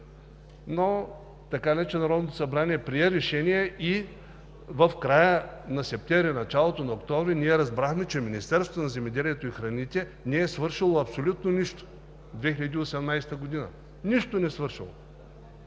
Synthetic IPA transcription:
no | t̪ɐkalʲɛt͡ʃɛnɐɾɔd̪not̪o̥sɐbɾaniɛpɾiɛɾɛʃɛniɛʔi | vəfkɾajənɐsɛp̚t̪ʲɛvɾʲinɐt͡ʃalˠot̪onɐokt̪ɔvɾiniɛɾɐzbɾaxmɛt͡ʃɛminist̪ɛɾsot̪onɐzɛmɛd̪ɛlʲiɛt̪oixɾɐnit̪ɛnɛːsvɤɾʃilˠoɐpsolʲut̪noniʃt̪o̥ | d̪vɛxiʎʲɐd̪ʲiosɛmnajsɛ̥t̪əɡod̪inə̰ | niʃt̪onɛsvɤɾʃḭlˠo̰

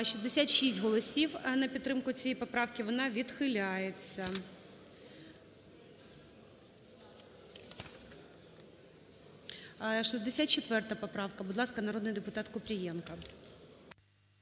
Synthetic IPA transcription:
ʃizd̪esʲat̪ʃis̬ʲtʲɦɔlˠɔsʲiwnɐpʲidt̪t̪ːɾɪmkʊt͡sʲijijpɔpɾɑwkʲɪʋɔnɑʋʲid̪xɪlʲajet͡sʲːɐ | ʃizd̪esʲat̪̚t͡ʃet̪ʋɛrt̪ɐpɔpɾɑwkɐbʊd̪lˠɑskɐnɐɾod̪nɪjd̪epʊt̪ɑt̪kɔpɾʲijɛnkɐ

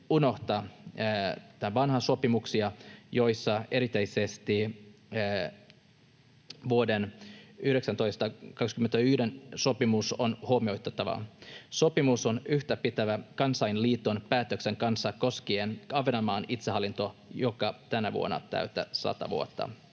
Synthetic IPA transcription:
uno̞ht̪ɑ | t̪æʋɑnhɑso̞pimuksiɑjo̞jsːɑe̞ɾit̪eisest̪i | ʋuodenyhɾe̞ksænt̪o̞ijst̪ɑkɑkskyment̪æyhdenso̞pimusonhuoːmio̞it̪ːˑet̪ːɑʋɑ̰so̞pimuso̞nyht̪æpit̪æʋækɑnsɑjnliːt̪ːonpæːt̪økseŋkɑnsːɑko̞skienɑʋenɑmɑːnit̪seɦɑlːint̪o̞jokɑt̪ænæʋṵo̰nːɑ̰t̪æ̰yt̪æ̰sɑ̰t̪ɑ̰ʋṵot̪ːɑ̰

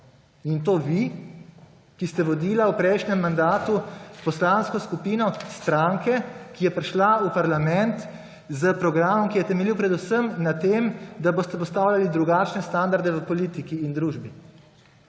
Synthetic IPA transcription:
int̪̬oːʋi | kist̪ɛʋɔd̪iːlawpɾɛjʃnɛmːand̪aːt̪upɔslanskɔskupiːnɔst̪ɾaŋkɛkijɛpɾɛʃlaupaɾlamɛnt̪ | zəpɾɔɡɾaːmɔmkijɛt̪ɛmɛliwpɾɛd̪usəmnat̪eːmd̪aboːst̪ɛpɔst̪aːwlʲjalid̪ɾuɡaːt͡ʃnɛst̪and̪aɾd̪ɛʋəpɔliːt̪ikiːnd̪ɾuːʒbi

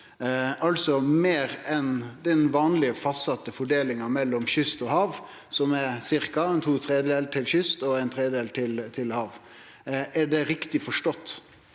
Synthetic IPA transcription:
ɑlsɔmeːɾɛnd̪ɛnʋɑːnlɪəfɑst̪sɑt̪ːəfɔɖeːlɪŋɑmɛlːɔmɕʏst̪ɔhɑːʋ | sɔmɛɾsɪɾkɑɛnt̪ʰuːt̪ʰɾeːd̪eːlt̪ʰɪlɕʏst̪ɔæɪnt̪ʰɾeːəd̪eːlt̪ʰɪlt̪ʰɪlhɑːʋ | æɖɛɾɪkt̪ɪfɔʂʈɔt̪ː

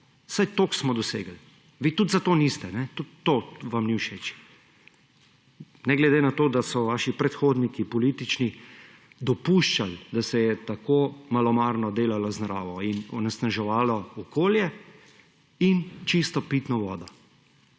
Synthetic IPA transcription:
sajt̪oːksmɔd̪ɔsḛːɡəl | ʋiːt̪ut̪zat̪oːnist̪ɛnɛt̪ut̪ːoːʋamniwʃeːt͡ʃ | nɛɡlɛd̪enat̪oːd̪asɔʋaːʃipɾɛt̪xoːd̪nikipɔliːt̪it͡ʃni | d̪ɔpuːʃt͡ʃald̪asɛjɛt̪akoːmalɔmaːɾnɔd̪eːlalaznɾaːʋɔinɔ̰nɛsnaʒɛʋaːlɔɔkoːljɛ | int͡ʃist̪ɔpiːt̪nɔʋɔːd̪ɔ

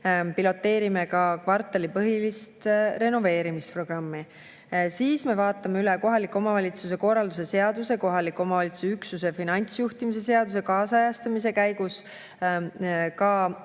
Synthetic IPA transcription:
pilo̞t̪ːe̞ːɾime̞kɑkvɑrt̪ːˑɑlipɤɦilist̪re̞no̞ve̞ːɾimispro̞ɡ̥rɑmːi | siːsme̞vɑːt̪ːˑɑmeylɛko̞ɦɑlikːˑo̞mɑvɑlʲit̪sus̬e̞ko̞rːɑld̪us̬e̞se̞ɑd̪̥use̞ko̞ɦɑlikːˑo̞mɑvɑlit̪su̥syksusefinɑnʲt̪sjuht̪imis̬e̞s̬e̞ɑd̪us̬e̞kɑːsɑjɑst̪ɑmise̞kæjɡus | kɑ

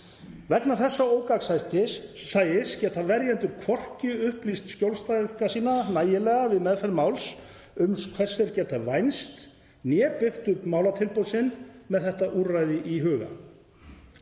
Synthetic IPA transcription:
vɛknaθɛsːaoːwkaksajt̪ɪːaːjɪscɛːt̪avɛɾjɛnt̪ʏɾkʰvɔr̥cʏʏhplist̪scowlst̪ajʏkasiːnanaːjɪlɛːɣavɪðmɛðfɛɾmaːwls | ʏmskʰvɛr̥sɛɾcɛːt̪avajnst̪ | njɛːpɪxt̪ʏhpmaːwlat̪ʰɪlpowsɪnmɛðθɛht̪aʔurrajðɪʔiɦœːɣa̰

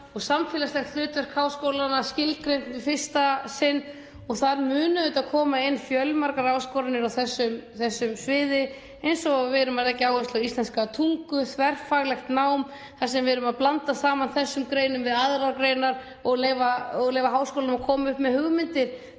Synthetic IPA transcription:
ɔɣsamfɪːlaslɛxt̪lʏːt̪ɛɾ̥kʰaːwskowlanascɪlt̪̚kɾejnt̪vɪfɪr̥st̪asɪnː | ɔɣθaɾmʏːnʏʏt̪aðkʰɔːmaɪnːfjœlmaɾkaɾaːwskowɾanɪɾawθɛsːʏmθɛsːʏmsvɪːðɪ | ejnsɔɣavɛɾʏmaðɛhcːɪaːwɪst̪laɣist̪lɛnskat̪ʰuŋkʏθvɛr̥faɣlɛxt̪nawm | θasɛmvɪːɾʏmaðplant̪asaːmanθɛsːʏmkɾeːjnʏmvɪðaðɾaɾkɾejnaɾ | ɔɣleːjvaɔɣlejvaɦaːwskowlanʏmakʰɔːmaʏhpmɛðhʏɣmɪnt̪ɪɾ̥

